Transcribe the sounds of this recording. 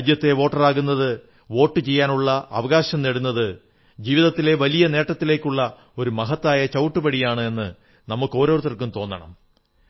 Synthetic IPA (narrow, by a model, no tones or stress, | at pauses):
d̪jɐt̪ːe̞ʋo̞ːʈːɐraːɣunːɐðɨ | ʋo̞ːʈːɨt͡ɕe̞jːaːnuɭːɐʔɐ̰ʋɐɣaːɕɐmneɽunːɐðɨ | d͡ʑiːʋiðɐt̪ːile̞ʋɐlijɐne̞ːʈːɐt̪ːile̞ːkːuɭːɐ | o̞ɾumɐɦɐt̪ːaːjɐt͡ɕɐwʈːupɐɽijaːɳɨe̞nːɨ | nɐmukːo̞ːɾo̞ːrt̪ɐrkːumt̪o̞ːnːɐɳɐ̰m